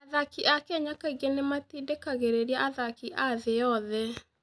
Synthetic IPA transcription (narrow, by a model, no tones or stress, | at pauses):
aðakiʔakɛɲakaiɣenematiːdekaɣeɾeɾiaʔaðakiʔaðeɔðɛ